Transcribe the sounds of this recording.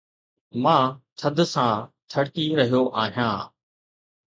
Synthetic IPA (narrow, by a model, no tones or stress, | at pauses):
mãːtʰəd̪sãtʰɐɽkiɾɐɦijoʔaːɦijãː